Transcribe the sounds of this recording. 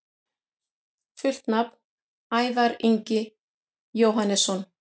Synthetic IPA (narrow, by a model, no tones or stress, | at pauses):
fʏl̥t̪napn | aːjvaɾiɲcɪ | joːwɦanːɛsːɔn